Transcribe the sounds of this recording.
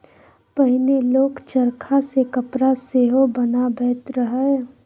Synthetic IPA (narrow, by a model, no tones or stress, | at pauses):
pəɦɪneloːkt͡ʃəɾkʰasekəpɾaseɦobənabʱɛːt̪ɾəɦə